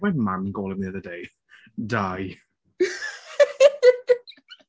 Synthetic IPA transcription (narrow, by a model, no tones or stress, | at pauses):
ɛmamɡoːlˠɪmniəðədej | daj